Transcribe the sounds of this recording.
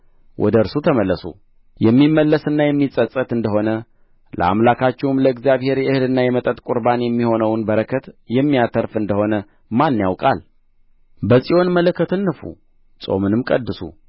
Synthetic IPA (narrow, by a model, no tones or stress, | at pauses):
wʔɔ̰d̪əɨɾsut̪ʰəməlːəsṵ | jɛmːimːəlːəsɨnːajɛmːisʼət͡sʼət̪ɨnd̪əɦo̞nə | lə̰a̰mlakʰat͡ʃːɛhwumləɨɡzijaβhe̞ɾjɛɨhɨlɨnːajɛmət̪ʼət̪ʼkʼuɾbanjɛmːiho̞nəwnbəɾəkʰət̪jɛmːijat̪ʰəɾfɨnd̪əho̞nə | manːjawkʼa̰l | bəsʼijwo̞nmələkʰːət̪ʰɨnːɨfṵ | sʼo̞̰mɨnɨmkʼəd̪ːɨsṵ